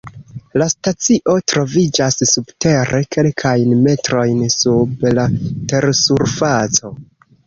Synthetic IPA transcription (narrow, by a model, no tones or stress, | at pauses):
lastat͡siʔo̞tɾo̞vid͡ʒasːubte̞ɾe̞kʰe̞lkʰajnme̞tɾo̞jnsublate̞ɾsuɾfat͡so̞